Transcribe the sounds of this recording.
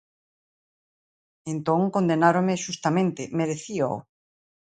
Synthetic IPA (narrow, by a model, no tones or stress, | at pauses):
ẽnt̪õŋkond̪enaɾomeʃust̪amẽnt̪emeðeθio̰w